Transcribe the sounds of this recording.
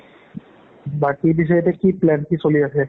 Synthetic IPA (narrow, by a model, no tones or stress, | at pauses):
bakibiʃ̬ɔjt̪ekiplɛnkisoliat͡ɕʰe